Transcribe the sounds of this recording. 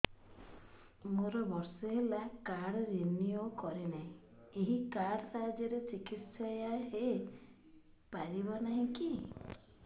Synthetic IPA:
moɾɔbɔɾsɔɦelakaɽɔɾeniokɔɾenaɦĩ | eɦikaɽɾad͡ʒɔɾet͡ʃikit̪sɔjaɦe | paɾibɔnaɦĩki

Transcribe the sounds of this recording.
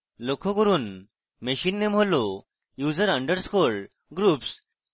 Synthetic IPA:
lokʰɔkəɾuːn | meɕinːem̤ɔlo | jud͡zəɾəɳɖəɾskoɭ | ɡɾuːps

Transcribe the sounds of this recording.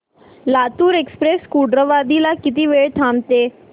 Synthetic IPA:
lat̪uːɾekspɾeskuɖɾəʋad̪ilakit̪iːʋeɭt̪ʰamt̪e

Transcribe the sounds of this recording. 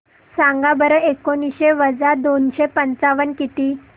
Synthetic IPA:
sãŋɡabəɾəekoniɕeʋəd͡zad̪onɕepənt͡saʋənkit̪iː

